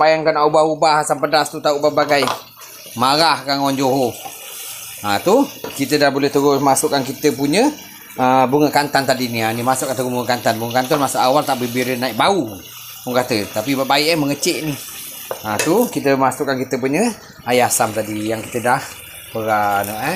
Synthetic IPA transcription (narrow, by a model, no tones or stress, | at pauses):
bajaŋkanaubahubahasampədast̪ut̪aubahbaɡaj | maɾahkaŋwand͡ʒoɦo | at̪ukit̪ədahbolɛht̪əɣʊmasʊʔkːankit̪əpuɲə | əbuŋəkant̪ant̪adinianimasʊʔkant̪əɡubuŋəkant̪anbuŋəkant̪ɔnmasuʔawalt̪aʔbəbiɾənaiʔ̚bau | punkat̪ət̪apibaʔbaiʔəməŋət͡ʃeʔni | at̪ukit̪əmasʊʔkːankit̪əp̬uɲə | ajasamt̪adijaŋki̥t̪ədah | pəɾanəʔə